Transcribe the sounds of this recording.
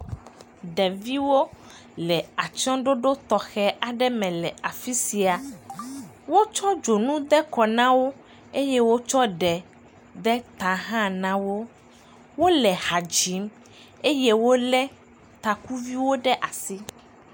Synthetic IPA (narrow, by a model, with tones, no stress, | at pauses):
ɖɛ˨vi˦wo˦ | lɛ˨a˨t͡ʃɔ̃˦ɖo˦ɖo˦t̪ɔ˨xɛ˦ʔa˨ɖɛ˦mɛ̃˨lɛ˨a˨fi˦si˨a˨ | wo˦t͡ʃɔ˦d͡ʒo˨nũ˦d̪ɛ˦kɔ˨nã˦wo˦ | e˦jɛ˦wo˦t͡ʃɔ˦ɖɛ˨ | d̪ɛ˦t̪a˨ɦã˦nã˦wo˦ | wo˦lɛ˨ha˨d͡ʒi˨˦m | e˦jɛ˦wo˦lɛ˦ | t̪a˨ku˦vi˦wo˦ɖɛ˦ʔa˨si˦